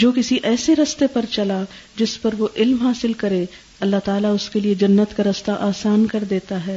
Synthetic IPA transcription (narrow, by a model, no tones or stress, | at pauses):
d͡ʒoːkɪsiʔɛːseɾɐst̪epɐɾt͡ʃɐla | d͡ʒɪspɐɾʋoʔɪlmɦaːsɪlkɐɾeː | ɐlːaɦt̪aːlaʊskelied͡ʒɐnːət̪kaɾɐst̪aʔaːsaːnkɐɾd̪eːt̪aɦɛː